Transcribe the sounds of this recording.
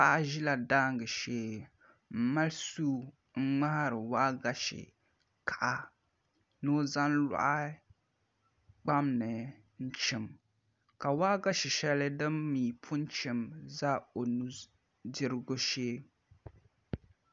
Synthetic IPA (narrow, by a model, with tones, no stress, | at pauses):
a˦ʔa˦ʒi˦la˨daː˦ŋɡɨ˨ʃeː˦ | m̩˨ma˦lsuː˦ | ŋ̩˦ŋ͡ma˦ha˦ɾɨ˨waː˦ɡa˦ʃɪ̰˨ | kʰa˨ʔa˨ | no˦za˦nla̰˦ʔa˦ | k͡pa˦mnɨ˨ | n̩˦t͡ʃɪ˨m | ka˨waː˦ɡa˦ʃɪ˨ʃɛ˦lɨ˦dɨ˦mːiː˨pʰʊ˦n˦t͡ʃɪ˨mza˦o˨nu˦ | dɪ˦ɾɨ˦ɡʊ˦ʃeː˦